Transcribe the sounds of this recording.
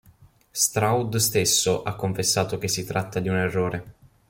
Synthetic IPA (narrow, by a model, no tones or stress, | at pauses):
st̪ɾawd̪st̪esːoʔakːoɱfesːaːt̪ok̟esːit̪ɾat̪ːad̪iunerːoːɾʔe